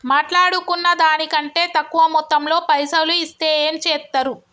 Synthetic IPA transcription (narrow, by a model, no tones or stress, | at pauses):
maːʈlaːɽukunːɐd̪aːnikɐɳʈe̞ːt̪ɐkːuʋɐmɔt̪ːɐmlo̞ːpɐjsɐluist̪e̞ːeːmt͡ʃɛːt̪ːɐɾu